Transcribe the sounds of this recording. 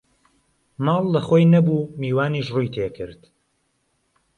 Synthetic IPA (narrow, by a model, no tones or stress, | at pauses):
mɑːlˠːɐxoːjnɐbuːmiːwaːniːʃruːjt̪ʰeːkʰɨɾd̪̥